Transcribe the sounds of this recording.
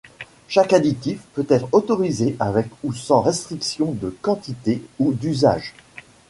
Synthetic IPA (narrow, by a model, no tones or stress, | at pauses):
ʃakad̪it̪ifpøt̪ɛt̪χot̪ɔʁizeʔavɛkusɑ̃ʁɛst̪χiksjɔ̃d̪əkɑ̃t̪it̪eud̪yza̰ːʒ